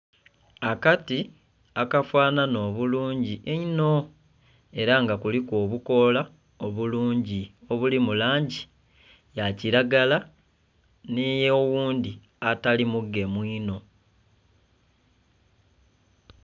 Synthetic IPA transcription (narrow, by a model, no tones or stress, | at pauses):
akati | akafwaːnano̞ːβuluːɲɟiʔeino̞ | e̞ɾaŋɡakulikwo̞ːβuko̞la | o̞βuluːɲɟio̞βulimulaːɲɟi | jaciɾaɡala | nijeowuːndi | atalimuɡe̞mwiːno̞